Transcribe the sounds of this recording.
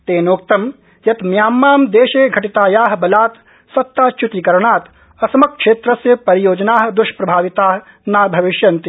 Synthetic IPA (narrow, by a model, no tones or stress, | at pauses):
t̪eːnoːk̚t̪ɐm | jɐt̪mjaːmːaːmd̪eːʃeːɡʱɐʈit̪aːjaːɦbɐlaːt̪ | sɐt̪ːaːt͡ʃut̪ikɐɾɐɳaːt̪ | ɐsɐmɐkʂeːt̪ɾɐsɐpɐɾijoːd͡ʒɐnaːɦɐ̆d̪uʃpɾɐbʱaːʋit̪aːɦɐ̆ | naːɾbʱɐʋiʃjɐnt̪i